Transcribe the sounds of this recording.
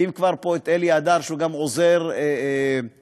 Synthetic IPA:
imkvaʁpoet̪eliad̪aʁʃuɡamozeʁe

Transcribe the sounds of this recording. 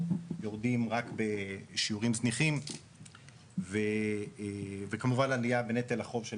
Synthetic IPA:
jo̞ʁdimʁakbeʃiuʁimzniχim | ve | vekamuvanlalijabenet̪elaχo̞vʃe

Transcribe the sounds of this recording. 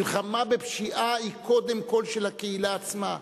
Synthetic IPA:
lχamabepʃiʔaikʰo̞d̪emko̞lʃelakeilaːt͡sma

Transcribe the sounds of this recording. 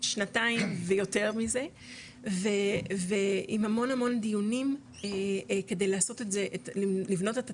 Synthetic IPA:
ʃnataimvejo̞te̞ʁmize̞ | veveimhamo̞nhamo̞nd̪ijunim | eke̞de̞jlaːso̞tetzeʔetilivno̞teta

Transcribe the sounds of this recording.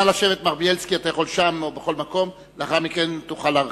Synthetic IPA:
alaʃe̞ve̞t̪maʁbielskiat̪ajaχo̞lʃamobeχo̞lmako̞m | leaχaʁmikent̪uχala

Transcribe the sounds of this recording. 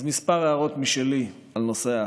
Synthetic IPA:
zmispaʁeaʁo̞t̪miʃeli | alno̞sea

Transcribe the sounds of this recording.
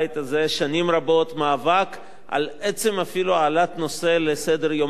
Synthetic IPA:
jt̪azeʃanimɾabo̞t̪maːvak | ʔa̰let͡se̞mafiluaːlat̪no̞se̞lesed̪eʁjom

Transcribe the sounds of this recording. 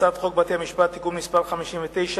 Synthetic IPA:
afχo̞k̚bat̪eamiʃpat̪ːikumnispaʁχamiʃimvet̪e̞jʃa

